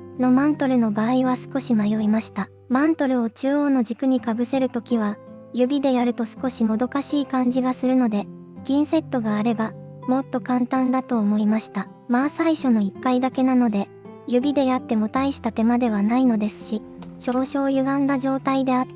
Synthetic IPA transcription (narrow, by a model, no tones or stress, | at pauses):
no̞mãnt̪o̞ɾɯ̟no̞baːiβasɨ̥ko̞ɕimajo̞imaɕi̥t̪a | mãnt̪o̞ɾɯ̟o̞t͡ɕɨːo̞ːno̞ʑd͡ʑikɯ̟ɲ̟ikabɯ̟se̞ɾɯ̟t̪o̞kʲiβ̞a | jɯ̟bʲid̪e̞jaɾɯ̟t̪o̞sɨ̥ko̞ɕimo̞d̪o̞kaɕiːkãɲ̟d͡ʑiɡasɨɾɯ̟no̞d̪e̞ | ɡ̥ʲĩɰ̃se̞t̪ːo̞ɡaːɾe̞ba | mo̞t̪ːo̞kãnt̪ãnd̪at̪o̞ːmo̞imaɕi̥t̪a | maːsaiɕo̞no̞ikːaid̪ake̞nano̞d̪e̞ | jɯ̟bʲid̪e̞jat̪ːe̞mo̞t̪aiɕi̥t̪at̪e̞mad̪e̞β̞anaino̞d̪e̞sɨ̥ɕiɕo̞ːɕo̞ːjɯ̟ɡãnd̪aʑo̞ːt̪aid̪e̞a